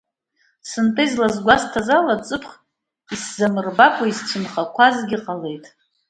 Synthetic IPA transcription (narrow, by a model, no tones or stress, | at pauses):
sɨntʼɨizlazɡʷastʰazalat͡sʼɨpʰχ | iszamɨrbakʷʼaist͡ʃʰɨmχakʷʰazɡʲiqʼale̞jtʼ